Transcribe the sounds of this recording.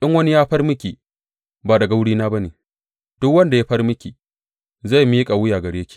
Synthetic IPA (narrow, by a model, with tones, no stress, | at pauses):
ɗɪ˦ŋwɐ˦ni˦jaː˦ɸɐ˦rmɪ˦kʲi˨ | baː˨dɐ˨ɡa˨wʊ˦ɽiː˦naː˦ba˦neː˨ | d̥ʊ˦kwɐ˦nda˨ja˦ɸɐ˦rmɪ˦kʲiː˨ | za˦˨jmi˦kʼa˨wʊ˦jaː˨ɡɐ˨ɽeː˦kʲi̥ː˨